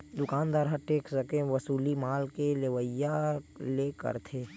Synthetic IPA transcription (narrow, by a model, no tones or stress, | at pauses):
d̪ʊkaːnd̪aːɾɦaʈeːksəkeʋəsuːlimaːlkeleʋəjalekə̰ɾt̪ʰeː